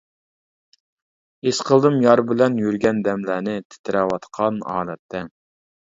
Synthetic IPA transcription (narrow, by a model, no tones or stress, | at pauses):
esqʰəlˠd̪ɨmjɑɾbɪlɛnjyɾɡʲɛnd̪ɛmlæːnɪt̪ʰɪ̥t̪ʰɪɾɛwɑt̪qʰɑnɑ̰ːlɛt̪ʰːɛ